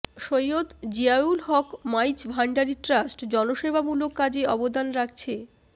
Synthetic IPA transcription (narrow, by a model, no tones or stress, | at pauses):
ʃojːot̪d͡ʑiaulɦɔkmajt͡ɕbʱaɳɖaɾiʈɾasʈd͡ʑɔnoʃebamulokːad͡ʑeɔbod̪anɾak̚ʰt͡ɕʰe